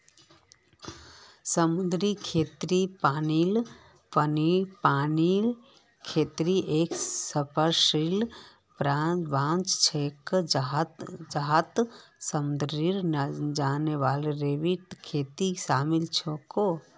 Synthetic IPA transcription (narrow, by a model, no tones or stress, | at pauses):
səmud̪ɾikʰeːt̪ɾipaːnil | pənipaːnil | kʰeːt̪ɾiʔeːksəpʰəɾʃil | pɾaʋãːnt͡ʃt͡ʃʰek | d͡ʒaɦat̪səmd̪ɾiɾd͡ʒaːneʋaːlɾeʋiʈkʰeːt̪isaːmilt͡ʃʰoko